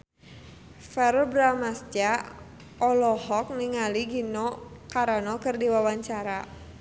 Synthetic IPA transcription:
fɛrbɾamasd͡ʒa | ɔlɔhɔk̚niŋaliɡinɔkaɾanɔkɨrdiwawaɲt͡ʃaɾa

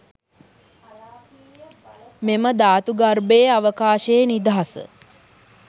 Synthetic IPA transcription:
meməd̪aːt̪uɡarbeːaʋəkaːʃeːnid̪aɦasə̰

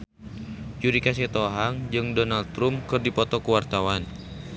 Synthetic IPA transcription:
d͡ʒuɾikas̬ɛt̪ɔɦaŋd͡ʒɨŋdɔnald̪t̪ɾumkɨrdipɔt̪ɔkuwart̪awan

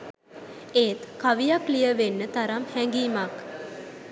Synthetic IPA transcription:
eːt̪kaʋijaklijəʋenːət̪aɾamhɛŋɡiːmak

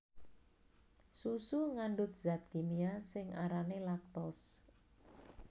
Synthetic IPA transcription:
susuŋaɳɖʊt̪̚z̥at̪̚kimiasɪŋʔaɾanelak̚t̪ɔs

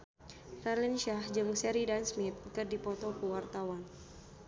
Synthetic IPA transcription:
tarlinʃahd͡ʒɨŋsɛɾidansmit̪̚kɨrdipɔt̪ɔkəwart̪awan

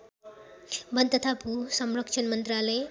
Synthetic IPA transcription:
bʌnt̪ʌt̪ʰapusʌmrʌkt͡ʃʰʌnmʌnt̪ralʌj

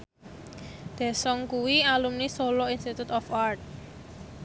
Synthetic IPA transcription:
d̪̥ɛ̤sɔŋkuwialumnisolɔinst̪it̪ut̪ɔfart̪̚

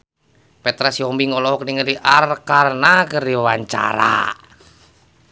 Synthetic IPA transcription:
pɛt̪ɾasiɔmbiŋɔlɔɦɔkniŋədiʔarkarnakərdiwawaɲt͡ʃa̰ɾa̰

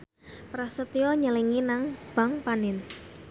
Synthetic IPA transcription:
pɾasət̪iɔɲəliŋinaŋb̥a̤ŋpanɪn

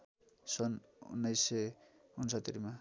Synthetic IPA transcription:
sʌnṵnːʌjsʌunsʌt̪ːiɾima

